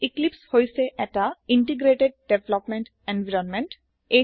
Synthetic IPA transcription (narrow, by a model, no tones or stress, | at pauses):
iklipshojseʔɛtaiɳʈiɡɾeʈeɖ̚ɖeblɔpmeɳʈ | enʋiɾɔnmeɳʈ | e